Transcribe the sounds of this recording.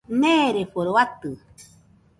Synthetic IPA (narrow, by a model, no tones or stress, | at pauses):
neɾeɸoɾowat̪ɨ